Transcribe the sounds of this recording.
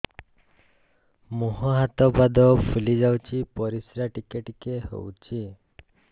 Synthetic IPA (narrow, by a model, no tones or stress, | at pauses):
muɦɔɦat̪ɔbad̪ɔpʰulid͡ʒawt͡ʃʰipɔɾisɾaʈikeʈikeɦo̰wt͡ʃʰi